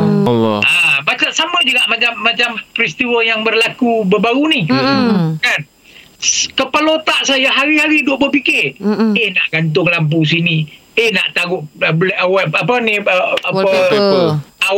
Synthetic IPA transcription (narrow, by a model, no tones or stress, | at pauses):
abat͡ʃaʔsaməd͡ʒuɡaʔmat͡ʃamːat͡ʃampɾist̪iwəjaŋbərlakubəbaɾunih | kan | skəpəlot̪aʔsajaɦaɾiɦaɾiduoʔbəpikɪrehnaʔɡ̥ant̪̬ʊŋlamp̬us̬ini | ehna̰ʔt̪aɡʊʔblɛawaapəniaə | a